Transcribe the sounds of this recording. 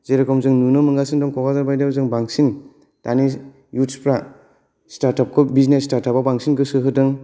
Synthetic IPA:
zeɾakʰɔmzɯŋnunɯmɯŋɡasɯndɔŋkɔɡazaɾbajdabzɯŋbaŋsin | tani | jutspɾa | staɾtap̚kʰɔbiznestaɾtapabaŋsinkɯsɯɦɯdɯŋ

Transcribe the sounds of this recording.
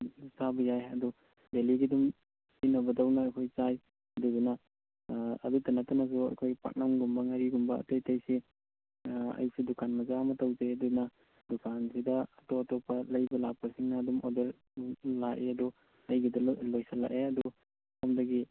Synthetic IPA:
itʰabɐjajɐdu | deliɡidum | tinɐbɐdawnɐːjkʰojt͡ʃaj | ɐdudunɐ̰ː | dutanatɐnɐs̬uɐ̰jkʰojpa̰k̚nɐmɡumbɐŋaɾiɡumbɐ̰ːtejtajsi | ɐ̰jsidukʰanmɐzamɐtawzeɐdunɐ | dukʰansidɐɐtɔɐtɔpʰɐlɐjbɐlapʰːɐsiŋnɐːdumodeɾ | laʔeɐdu | ɐjɡidɐlojsala̰ʔeɐdu | pʰamdɐɡi

